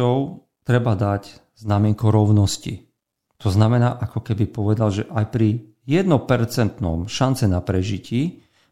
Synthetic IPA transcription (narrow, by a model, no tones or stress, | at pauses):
ɔʊ | t̪ɾɛbad̪ac | znamɪɛŋkɔɾɔʊnɔscḭ | t̪ɔznamɛnaːʔakɔkɛbipɔʋɛd̪alʒɛʔajpɾi | jɛd̪nɔpɛɾt͡sɛnt̪nɔ̰mʃant͡sɛnapɾɛʒiciː